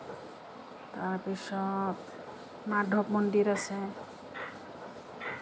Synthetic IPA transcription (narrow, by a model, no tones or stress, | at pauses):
t̪aɾpisɔt̪ | maɖʱɔpmɔnɖiɾasɛ